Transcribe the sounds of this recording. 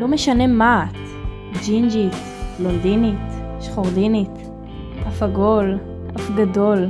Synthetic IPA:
lo̞meʃane̞maːt | d͡ʒind͡ʒit | londinit | ʃχoʁdinit | tafaɡo̞l | ʔafɡado̞l

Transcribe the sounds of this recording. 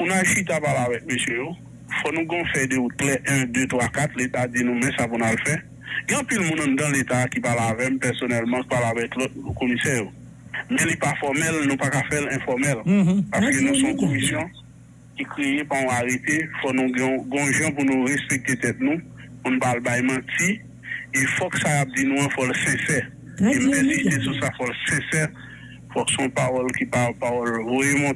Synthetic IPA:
pũnaʒit̪apalavɛk̚møsjøjo | fɔnũɡɔ̃fɛdeut̪̚klɛʔɛ̃d̪øt̪wakat̪let̪ad͡zinũmɛ̃sapunalfɛ | ɡɛ̃ɐ̃pilmũnãnd̪ãlet̪akipalavɛm̩pɛʁsonɛlmɑ̃ki̥palavɛklɔt̚komisɛjo | mɛ̃lipafɔmɛlnũpakafɛlɛ̃fɔmɛlpaskønũsɔ̃komisjɔ̃ | kikʁejepaɔ̃aʁet̪efɔnũɡɛ̃ɡɔ̃ʒãp̬unũʁespek̚t̪et̪ɛt̪̚nũpunũpalbajmãti | efɔksakap̚d͡zinũɛ̃fɔlsɛ̃sɛ | em̩tɛ̃zist̪esusafɔlsɛ̃sɛ | fɔksɔ̃paʁɔlkipapaʁɔlvojemɔ̃

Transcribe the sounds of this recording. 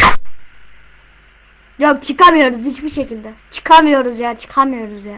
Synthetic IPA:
jok̚t͡ʃʰɯkamɯjo̞ɾuzhit͡ʃbiɾʃe̞cilʲd̪ɛt͡ʃʰɯ̥kʰamɯjo̞ɾuzjat͡ʃʰɯ̥kʰamɯjo̞ɾuzja

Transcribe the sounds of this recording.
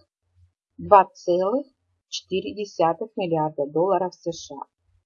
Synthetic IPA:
d̪vat̪sɛlˠɨx | t͡ɕɪ̥t̪iɾʲɪdʲɪsʲat̪ɨxmʲɪlʲɪard̪əd̪olˠːɐɾəfsɛʂɨa̰

